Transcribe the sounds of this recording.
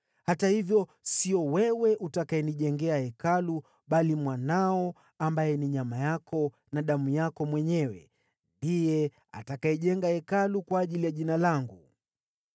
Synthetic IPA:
hatahivjɔ | siɔwɛwɛʔutakaɛniʄɛŋɡɛahɛkalu | ɓalimwanaɔ | ambajɛniɲamajakʰɔ | naɗamujakɔmwɛɲɛwɛ̰ | ndijɛ | a̰takaɛʄɛŋɡaɛkalukwaːʄilijaʄinalaŋɡu

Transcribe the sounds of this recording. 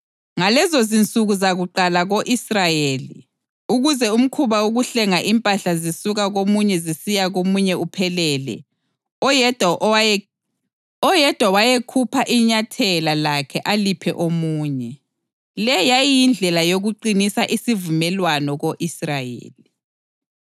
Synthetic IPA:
ŋalɛzozint͡sʼuɣuzaɣuǃalaɣoʔisrajeːli | uɣuzɛum̩kʰuβauɣuɬɛŋaʔimpʼaɬazisuɣaɣomuɲɛzisijaɣomuɲɛupʰɛlɛːlɛ̰ | dʱ | ɔjɛd̥ʱwawajekʰupʰaʔiɲatʰɛlalakʰɛʔalipʰɛ̰ʔomuːɲɛ | lɛjajjind͡ɮʱɛlajoɣuǃinisaʔisivumɛlwanɔɣoʔisrajḛːli

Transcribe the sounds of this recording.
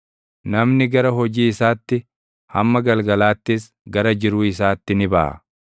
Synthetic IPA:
nɐmnɪɡɐɾɐɦɔd͡ʒiːɪsaːt̪ːɪ | hɐmːɐɡɐlɡɐlaːt̪ːɪs | ɡɐɾɐd͡ʒɪɾuːɪsaːt̪ːɪnɪbɐ̰ʔɐ̰

